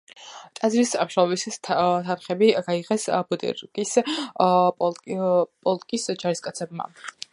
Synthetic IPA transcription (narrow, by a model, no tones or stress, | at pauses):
t̪ʼad̪zɾisamʃɾɔvisʰt̪ʰanχɛbiɡaiʁɛsbud̪ʼɛ̰ɾkʼisʼ | pʼɔlˠt̪ʼkʼisd͡ʒaɾiskʼat̪sʰɛbma̰